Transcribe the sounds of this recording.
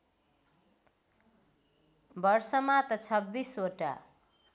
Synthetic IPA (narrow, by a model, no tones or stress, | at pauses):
bʌrsʌmat̪ʌt͡sʰʌbːisoʈa̰